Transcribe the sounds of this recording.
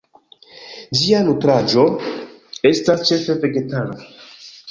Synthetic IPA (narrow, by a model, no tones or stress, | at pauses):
d͡ʒianutɾad͡ʒo | estast͡ʃe̞fe̞ve̞ɡe̞tana